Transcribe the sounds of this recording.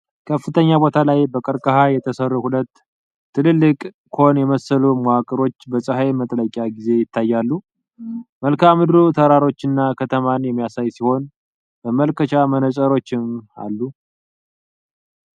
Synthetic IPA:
kʰəfːɨt̪ʰəɲːabo̞t̪ʰalajbəkʼəɾkʼəɦajɛt̪ʰəsərːuhulət̪ʰː | ɨlɨlːɨkʼ | kʰo̞njɛməsːəlumoakʼəɾo̞t͡ʃːbəsʼɨɦajmət̪ʼələkʼːaɡize̞jɪt̪ʰːajːalːu | məlkʰamɨd̪ɾut̪ʰəɾaɾo̞t͡ʃːɨnːakʰət̪ʰəmanjɛmːijasajsiho̞n | bəməlkʰət͡ʃamənət͡ʃʼəɾo̞t͡ʃːɪma̰lːu

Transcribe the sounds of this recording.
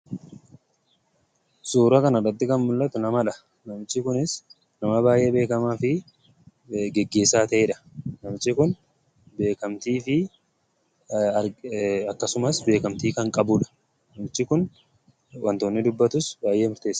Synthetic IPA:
suːɾɐkɐnɐrɐt̪ːɪkɐnmʊlːɐt̪ʊnɐmɐᶑɐ | nɐmɪt͡ʃːɪkʊnɪs | nɐmɐbaːjʔe̞ːbe̞ːkɐmaːfɪ | ɡɛɡːe̞ːsːaːt̪ɐʔeːᶑɐ̥nɐmɪt͡ʃːɪkʊn | be̞ːkɐmt̪iːfɪ | ɐɐkːɐsʊmɐsbe̞ːkɐmt̪iːkɐŋkʼɐbʊᶑɐ̥ | nɐmɪt͡ʃːɪkʊn | wʔɐnt̪oːnːɪd̪ʊbːɐt̪ʊsbaːjʔe̞ːmʊɾt̪eːsː

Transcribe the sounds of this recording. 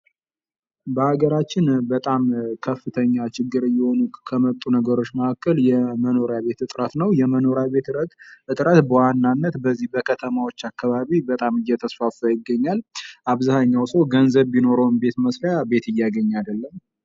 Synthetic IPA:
bəhaɡəɾat͡ʃːɪnbət̪ʼamkʰəfːɨt̪ʰəɲːat͡ʃɪɡːɨɾjːɛho̞nukʰəmət̪ʼːunəɡəɾo̞t͡ʃːməakːəljɛməno̞ɾjaβe̞t̪ɨt̪ʼɾət̪nəwjɛməno̞ɾjaβe̞t̪ɨɾəɡʔɨt̪ʼɾət̪bəwanːanːət̪bəzːihbəkʰət̪ʰəmawo̞t͡ʃːakːaβaβibət̪ʼamɨjːɛt̪ʰəsfafəjɪɡːəɲːalʔaβzahaɲːawsəwɡənzəβːino̞ɾəwnbe̞t̪məsɾjabe̞t̪ɨjːaɡəɲːad̪əlːəm

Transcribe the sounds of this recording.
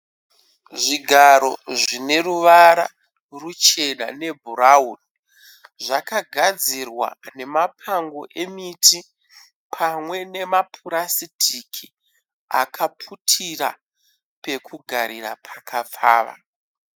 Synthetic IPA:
ʐiɡʱaɾo̞̰ʐine̞ruʋaɾa̰ | rut͡ʃe̞na̰ne̞bʱuɾaun | ʐakaɡʱad͡zirwa̰ne̞mapʰaŋɡo̞ʔe̞mitʰi | pʰamwe̞ne̞mapʰuɾasitʰikʰi | akʰapʰutʰiɾa̰ | pe̞kuɡʱaɾiɾa̰pʰḁkʰap͡fa̰ːʋa̰

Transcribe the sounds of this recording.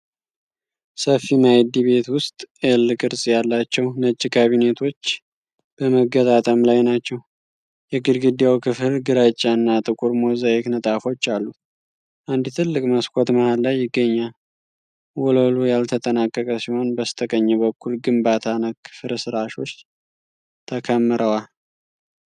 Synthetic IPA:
səfimajd̪iβe̞t̪wʊst̪ʼelːɨkʼɨɾsʼjalːat͡ʃːɛwnət͡ʃʼːikʰaβine̞t̪ʰo̞t͡ʃː | b̥əməɡət̪ʼat̪ʼəmlajnat͡ʃːɛw | jɛɡɨlɡɨd̪jawkʰɨfɨlɡɨɾat͡ʃʼːaɨnːat̪ʼɨkʼuɾmo̞zajeknət̪ʼafo̞t͡ʃːalːut̪ | ʔand̪ɨt̪ʰɨlːɨkʼməskʷʰʼot̪məhalːajːɪɡːəɲːal | wɔlolujalt̪ʰət̪ʼənakʼːəkʼəsiho̞nbəst̪ʰəkʼəɲːɛβəkʰːulɡɨmbat̪ʰanakʰːɨ̥fɨɾsɨɾaʃo̞t͡ʃː | t̪ʰəkʰəmːɨɾʔəwal

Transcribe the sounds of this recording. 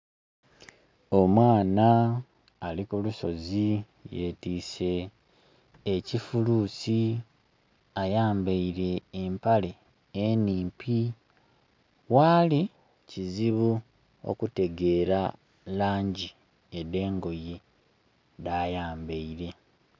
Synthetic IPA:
o̞mwaːnaː | likuluso̞zi | je̞tiːse̞ | cifuluːsi | ajaːmbaiɾe̞ːmpale̞ː | niːmpʰi | waːli | ciziβu | o̰kute̞ɡe̞ːɾa | laːɲɟi | ede̞ːŋɡo̞ji | daːjaːmbeiɾe̞

